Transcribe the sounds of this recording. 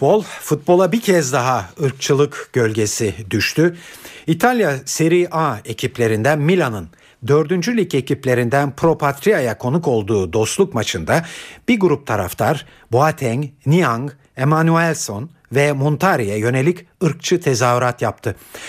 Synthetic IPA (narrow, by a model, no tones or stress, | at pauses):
bolˠfut̪̚bo̞lˠabicʰɛzd̪aɦaɯɾk̚t͡ʃʰɯlˠɯkɟ̥ø̞lʲɟe̞sid̪yʃt̪ʰyit̪ʰalʲjaseɾiʔae̞cʰiplʲe̞ɾind̪ænmilʲanɯn | d̪ø̞ɾd̪ynd͡ʒylʲicecʰiplʲe̞ɾind̪ænpʰɾo̞pʰat̪ɾijajakʰo̞nuko̞lˠd̪uːd̪o̞st̪lˠukmat͡ʃʰɯnd̪ab̥iɡuɾup̚t̪ʰaɾa̰ft̪ʰaɾ | boat̪ʰɛɲnijaŋɡ | e̞manyɛlʲso̞n | vɛmont̪ʰaɾijɛjø̞ne̞lʲicɯɾk̚t͡ʃʰɯt̪ʰe̞zaːyɾat̪jap̚t̪ʰɯ